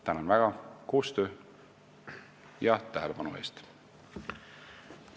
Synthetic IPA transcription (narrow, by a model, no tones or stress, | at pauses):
t̪ænɑnvæɡ̥ɑko̞ːst̪ø̞ː | jɑt̪æɦele̞pɑnṵe̞̰ːst̪